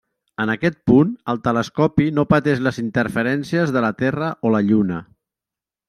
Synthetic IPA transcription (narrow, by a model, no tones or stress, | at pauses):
ənəkɛt̪̚punəlˠt̪ələskɔpinopət̪ɛʒləzint̪əɾfəɾɛnsiəzðələt̪ɛrəʔoləʎunə